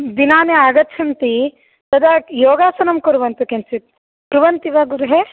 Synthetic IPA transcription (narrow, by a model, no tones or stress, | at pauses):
d̪inaːneaːɡɐt͡ʃʰɐnt̪i | t̪ɐd̪ʱɐjoːɡaːsɐnɐmkuɾuʋɐnt̪ukent͡ʃit̪̚ | pɾuʋɐnt̪iʋɐɡuɾuɦe